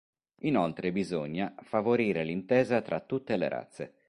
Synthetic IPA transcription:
inolt̪ɾebizoɲːafavoɾiːɾelint̪ɛːzat̪ɾat̪ːut̪ːelḛɾa̰t̪sːe

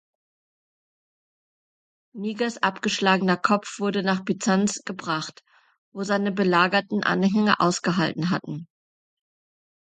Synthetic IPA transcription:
niːɡɐsʔapɡ̥əʃlaːɡənɐkʰɔp͡fv̥ʊɐdənaːχb̥it͡sansɡ̥əbʁaχt | voːzaɪnəbəlaːɡɐtn̩ʔa̰nɦɛŋə̰ʔa̰ʊsɡ̥əɦaltn̩ɦa̰tn̩

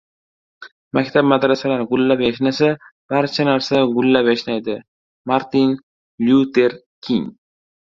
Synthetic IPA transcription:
makʲt̪ʰabmad̪ɾasalaɾɡʊlːapjaʃnasab̥aɾt͡ʃʰanaɾsaɡʊlːapjaʃnajd̪ɪ | maɾt̪in | ljut̪eɾ | kʲʰiŋ

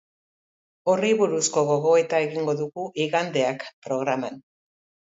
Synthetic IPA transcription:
o̞riβuɾusko̞ɣo̞ɣo̞e̞t̪ae̞ɣiŋɡo̞ðuɣuʔiɣand̪e̞akpɾo̞ɣɾaman

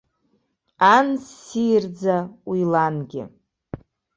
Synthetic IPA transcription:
ansijrd͡zaijlanɡʲɪ̰

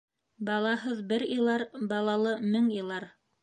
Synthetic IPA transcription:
bɑlˠɑhɤðbɘɾĭlˠɑɾbɑlˠɑlˠɤmɘŋjɤ̆lˠɑɾ

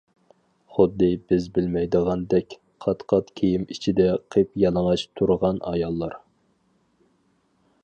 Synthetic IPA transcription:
χʊd̪ːɨbɪzbɪlmɛjd̪əʁɑnd̪ɛkʲ | qʰɑt̪qʰɑt̪kʲʰejimit͡ʃʰid̪ɛqʰepjɑlˠəŋɑt͡ʃt̪ʰuɾʁɑnɑjɑlˠːɑɾ

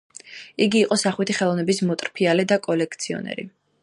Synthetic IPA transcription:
iɡiːqʼɔsaχwit̪ʰiχɛlˠɔvnɛbismɔt̪ʼɾpʰialɛd̪akʼɔlɛk̚ʰt̪sʰiɔ̰nɛ̰ɾḭ

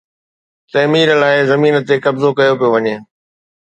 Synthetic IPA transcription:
t̪ɐɦmiːɾəlaːɪzɐmiːnət̪ekɐbzokɐjopijoʋɐɲeː

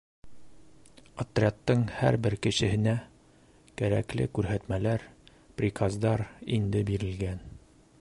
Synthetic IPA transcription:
ɒt̪rʲat̪ːɤŋhæɾbɘɾkɘ̆ɕɘ̆hɘ̆næ | kæɾæ̰klɘ̰kʉɾɦæt̪mælæɾ | prʲikazd̪ɑɾind̪ɘbiɾɘ̆lɡæn

